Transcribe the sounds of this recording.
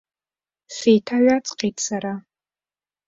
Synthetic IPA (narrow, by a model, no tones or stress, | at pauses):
sejtʰaɥʷat͡sʼqʼetsaɾa